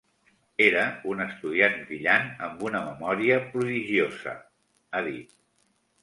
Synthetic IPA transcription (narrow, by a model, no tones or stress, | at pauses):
eɾəunəst̪uð̞ianbɾiʎanəmbunəməmɔɾiəpɾuðiʒiozə̰ | əðit̪̚